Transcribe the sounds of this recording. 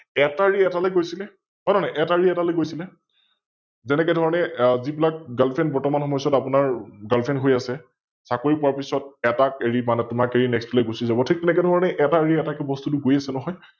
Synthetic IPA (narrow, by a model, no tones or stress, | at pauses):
ɛtaɹiɛtalɔjɡojsilɛ | ɦɔjnanaʔɛtaɹiɛtalɔjɡojsilɛ | zɛnɛkɛdʱɔɹɔnɛzibilak̚ɡalpʰɛnbɔɹtɔmanxɔmɔjsɔtapʊnaɹɡalpʰɛnɦojasɛ | sakoɹipɔɹaɹpisɔt̚ɛtakeɹimanɛtʊmakeɹinɛkstɔlɛjɡosizabɔtʰik̚tɛnɛkɛdʱɔɹɔnɛʔɛtaɹiɛtakɛbɔstutʊɡojasɛnɔɦɔj